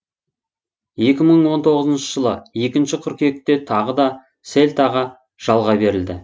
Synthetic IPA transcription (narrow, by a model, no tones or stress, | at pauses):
je̞kʲɪməɴwo̞nt̪ʰo̞ʁəzənʃəʒ̥əlˠəje̞kʲɪnʃɪkʲʰʏɾkʲe̞k̚t̪ːe̞t̪ʰɑʁəd̪ɑ | se̞lʲt̪ɑʁɑ | ʒ̥ɑlˠʁɑbe̞ɾɪld̪ɪ